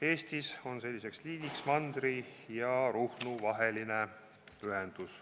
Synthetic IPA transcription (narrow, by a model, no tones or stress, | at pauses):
e̞ːst̪iso̞nse̞lʲːise̞ksliːd̪iksmɑnd̪̥ɾijɑɾuhnuvɑɦe̞line | yɦend̪̥us